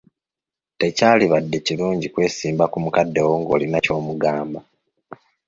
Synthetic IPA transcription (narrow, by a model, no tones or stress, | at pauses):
te̞caːliβadːe̞ciluːɲɟikwe̞ːsiːmbakumukadːe̞woŋɡo̞̰ːlinaco̞ːmuɡaːmba